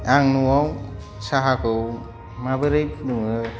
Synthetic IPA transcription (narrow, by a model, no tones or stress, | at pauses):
aŋnuwaw | saɦakɯw | mabɯɾɯjpnɯŋɯ